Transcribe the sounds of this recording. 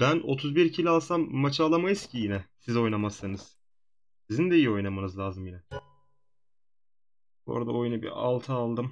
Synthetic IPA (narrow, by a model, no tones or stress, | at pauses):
bæno̞̰t̪ʰuzbiɾcʰilʲalˠsamːat͡ʃʰaːlˠamajɯzcʰijinɛsizo̞jnamasːɯnɯz̥ | sizind̪ɛijio̞jnamanɯzlʲaːzɯmjinɛ | bo̰ɾd̪ao̞junɯbḭa̰lˠt̪ʰɯːlˠd̪ɯm